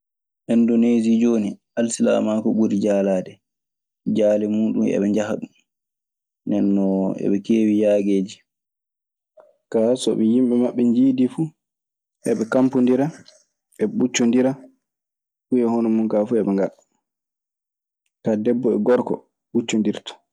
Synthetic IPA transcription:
ʔɛndonezid͡ʒoːniʔalsila̰makɔɓuɾid͡ʒaːlaːdɛ | d͡ʒaːlɛmuːɗumɛ̰ɓɛɲd͡ʒahaɗum | ndɛnːɔɛ̰ɓɛkeːwijaːɡeːd͡ʒi | kasɔɓɛjimɓɛmaɓːɛɲd͡ʒiːdifu | ʔɛɓɛkampundiɾa | ɛɓut͡ʃːundiɾa | fuɛhɔnɔmunkafuɛɓɛŋɡal | kadɛbːɔɛɡɔɾkɔ̰ | ɓut͡ʃːundiɾtɔ̥

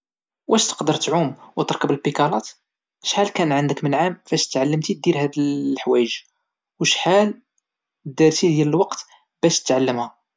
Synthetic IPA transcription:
wʔæʃt̪ə̥qd̪əɾt̪ʕumwt̪əɾkəbəlbikɑlɑt̪ | ʃħalkænʕənd̪əkmənʕamfæʃt̪ʕalːəmt̪id̪iɾhæd̪lħwæjəʒ | wʃħal | d̪iɾt̪id̪jæləlwɑqt̪ | b̥æʃt̪ə̥t̪ʕalːəmhæ

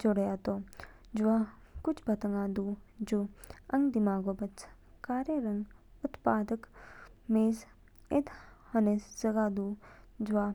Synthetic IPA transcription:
d͡ʒoɽjat̪o | d͡ʒuʋa | kut͡ʃʰbɐt̪əŋɡaːd̪uːd͡ʒuɐŋɡd̪imaːɡobɐt͡s | kaːɾjeɾɐŋɡ | ut̪paːd̪ək | meːz | ed̪hɐnezɐɡaːd̪uːd͡ʒʋa

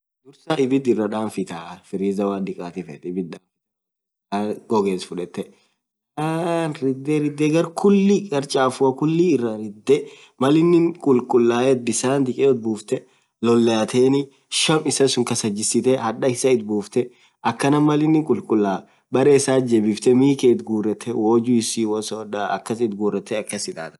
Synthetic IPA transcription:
d̪ʊɾsaʔɪbɪt̪̬ɪrːɐᶑaːnfɪt̪aːfɪɾiːzɐwaːd̪ɪkʼaːt̪ɪfɛt̪ɪbɪt̪̚ᶑ̪aːfɪ | aːɡɔɡeːsfʊᶑɛt̪ːɛ | aːnɾɪd̪ːeɾɪd̪ːeːɡɐɾkʰʊlːikʼɐɾt͡ʃʼaːfʊɐkʊlːiɪrːɐɾɪd̪ːɛ | mɐlɪnːɪŋkʼʊlkʼʊlːaːɛd̪ɪsaːnd̪ɪkʼɛːɔt̪̚buːft̪ɛ | lɔlːɛɐt̪ʰeːnɪ | ʃɐmɪsɐsʊŋkɐsɐd͡ʒːɪsɪt̪ɛhɐᶑɐɪsɐɪt̪̚buːft̪ɛ | ʔɐkːɐnɐmːɐlɪnːɪŋkʼʊlkʼʊlːaː | bɐɾɛːɪsaːd͡ʒɛbɪft̪ɛmiːkeɪt̪ɡuːrɛt̪ʰːɛwoːd͡ʒʊɪsiːwɔsɔᶑaɐ̰kːɐsɪt̪ɡuːrːɛt̪ːɛɐkːɐsɪᶑa̰ːɾɐ

